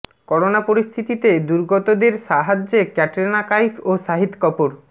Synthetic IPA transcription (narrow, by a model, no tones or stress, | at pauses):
kɔɾonapoɾist̪ʰit̪it̪ed̪uɾɡɔt̪od̪eɾʃaɦad͡ʑːekɛʈeɾnakajfʰoʃaɦit̪kɔpoɾ